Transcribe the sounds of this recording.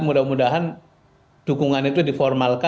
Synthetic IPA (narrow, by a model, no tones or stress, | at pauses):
mudahmudaɦan | d̥ukuŋanit̪udifɔrmalka